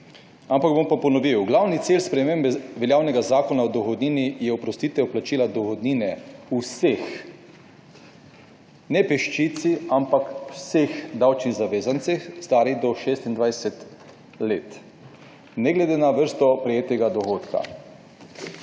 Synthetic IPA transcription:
ampaɡbompapɔnɔʋiwɡlawnit̪siːlspɾɛmeːmbɛʋɛljaːwnɛɡazaːkɔnaɔd̪ɔxɔd̪niːnijɛwpɾɔst̪iːt̪ʋɛwplat͡ʃiːlad̪ɔɣɔd̪niːnɛusex | nɛpɛʃt͡ʃit̪siampakwsexd̪awt͡ʃniɣzaʋeːzant̪sɛxst̪aːɾiɣd̪ɔʃest̪ind̪ʋajsɛt̪ | leːt̪ | nɛɡlɛd̪eːnaʋəɾst̪ɔpɾɛjeːt̪ɛɡad̪ɔɣoːt̪ka̰

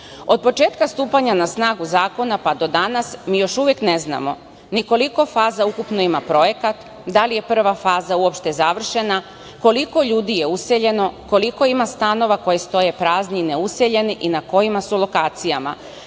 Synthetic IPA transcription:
o̞d̪̚po̞t͡ʃe̞ːt̪kast̪uːpaɲanasnaːɡuzaːko̞napad̪o̞d̪anasmiːjo̞ʃuʋjekne̞zna̰mo̞̰ | niko̞liko̞faːzaukupno̞imapɾo̞je̞kat̪ | d̪alije̞pr̩ʋafaːzauo̞pʃt̪e̞zaʋr̩ʃe̞na | ko̞liko̞ʎuːd̪ije̞use̞ʎe̞no̞ko̞liko̞imast̪ano̞ʋako̞jest̪o̞je̞pɾaːzniine̞use̞ʎe̞niʔinako̞jimasulo̞kaːt̪sijama̰

